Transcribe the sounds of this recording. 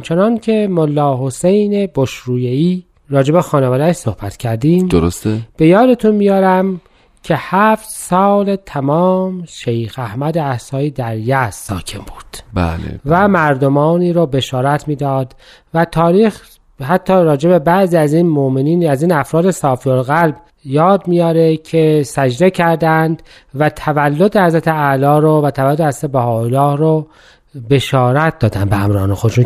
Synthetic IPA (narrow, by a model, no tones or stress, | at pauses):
mt͡ʃʰe̞nɒncʰe̞molːɒːɦosejne̞boʃɾuːjeiː | ɾɒːd͡ʒe̞be̞xɒːnevɒːd̪æʃso̞hbæt̪cʰæɾd̪iːmd̪oɾost̪eb̥e̞jɒːd̪e̞t̪ʰunmijɒːɾæm | cʰe̞hæft̪sɒːlet̪ʰæmɒːmʃejxæhmæd̪eæhsɒːiːd̪æɾjæsːɒːcʰe̞mbuːd̪̥bæ̰lḛvæmæɾd̪o̞mɒːniːɾoːbe̞ʃɒːɾæt̪ʰmiːd̪ɒːd̪ | væt̪ʰɒːɾiːx | hæt̪ʰːɒːɾɒːd͡ʒe̞be̞bæʔziːæzinmoʔmeniːnæziːnæfɾɒːd̪e̞sɒːfiolɣælb | jɒːd̪mijɒːɾecʰesæd͡ʒd̪e̞cʰæɾd̪ænd̪ | væt̪ʰævælːod̪ehæzɾæt̪ʰeælɒːɾovæt̪ʰævælːod̪ehæzɾæt̪ebæhɒːolːɒːhɾo | be̞ʃɒːɾæt̪̚d̪ɒːd̪ænd̪beæmɾɒːnexo̞d̪eʃun